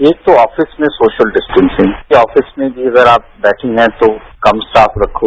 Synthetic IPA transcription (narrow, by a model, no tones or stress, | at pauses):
eːk̚t̪oɔːfɪsmẽsoːʃəlɖɪsʈə̃nsɪ̃ŋɔːfɪsmẽbʱiɐɡəɾaːp̚bɛːʈʰẽɦɛ̃t̪okɐmsaːfɾɐkʰːoː